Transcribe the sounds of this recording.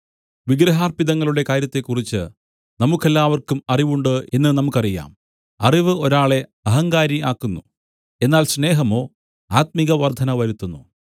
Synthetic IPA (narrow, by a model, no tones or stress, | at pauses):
ʋiɡɾɐɦaːrpiðɐŋːɐɭuɽe̞kaːɾjɐt̪ːe̞kːurit͡ɕːɨ | nɐmukːe̞lːaːʋɐrkumɐriʋuɳɖɨe̞nːɨnɐmukːɐrija̰ːm | ɐriʋɨo̞ɾaːɭe̞ɐɦɐŋɡaːɾiaːkːunːu | e̞nːaːlɕne̞ːɦɐmo̞ː | aːt̪̚miɣɐʋɐrd̪ʱɐnɐʋɐɾut̪ːunːu